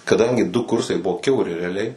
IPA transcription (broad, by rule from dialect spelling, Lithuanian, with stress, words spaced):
kɐˈdɐŋʲɡʲɪ dʊ ˈkʊrsɐɪ ˈbʊʋoː kʲɛʊˈrʲɪ rʲɛɐˈlʲɛɪ